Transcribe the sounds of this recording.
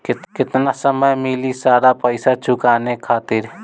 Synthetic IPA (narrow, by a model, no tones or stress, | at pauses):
kɪkɪt̪nasəməjmɪlisaːɾapəɪsat͡ʃʰʊkaːnekʰaːt̪ɪɾ